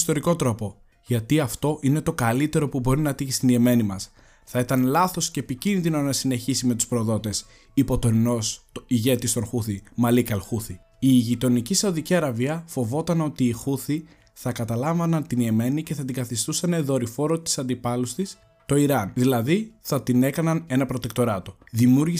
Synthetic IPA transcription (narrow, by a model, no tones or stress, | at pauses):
st̪o̞ɾiko̞t̪ɾo̞po̞ | ʝɐt̪iɐft̪o̞ʔine̞t̪o̞kɐlit̪e̞ɾo̞pubo̞ɾinɐt̪içist̪inie̞me̞nimɐs | θɐit̪ɐnlɐθo̞sceːpicinðino̞nɐsine̞çisime̞t̪u̥spɾoðo̞t̪e̞s | ipo̞t̪o̞nino̞siʝe̞t̪ist̪o̞nxuθimɐlikɐlxuθi | iʝit̪o̞nicisɐuðiciɐɾɐviɐfo̞vo̞t̪ɐno̞t̪iːxuθi | θɐkɐt̪ɐlɐɱvɐnɐnt̪inie̞me̞nice̞θɐt̪iŋɡɐθist̪usɐneðo̞ɾifo̞ɾot̪i̥sɐnd̪ipɐlust̪is | t̪o̞iɾɐnðilɐðiθɐt̪ine̞kɐnɐne̞nɐpɾo̞t̪ek̚t̪o̞ɾɐt̪o̞ðimjuɾʝi